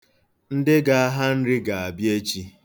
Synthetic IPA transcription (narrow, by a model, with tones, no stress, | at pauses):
n̩˦dɪ˦ɡa˨a˦ɦa˦n̩˦ɾɪ˦ɡa˨a˨bje˦t͡ʃi˦